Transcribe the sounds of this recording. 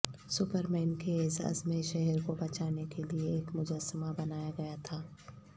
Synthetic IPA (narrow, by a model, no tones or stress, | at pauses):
sʊpəɾmɛːnkeeːza̰ɐ̰zmeʃɛɦɛɾkobɐt͡ʃaːnekelieːkmʊd͡ʒəsːəmabɐnaːjaɡɐjat̪ʰaː